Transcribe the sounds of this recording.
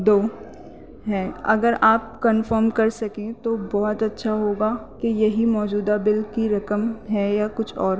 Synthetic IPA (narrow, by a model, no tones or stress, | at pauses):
d̪oː | ɦɛːɐ̰ɡəɾaːp̚kɐnfəɾmkɐɾsɐkẽt̪obɔːɔt̪ɐtːʃʰaɦoːɡakejɐɦimɔːd͡ʒuːd̪abɪlkiɾɐkəmɦɛjakʊt͡ʃʰɔ̰ːɾ